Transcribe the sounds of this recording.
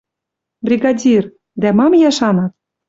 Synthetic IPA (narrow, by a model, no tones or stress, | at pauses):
brʲiɡɑdʲir | d̪æmɑmjɑʃɑnɑt̪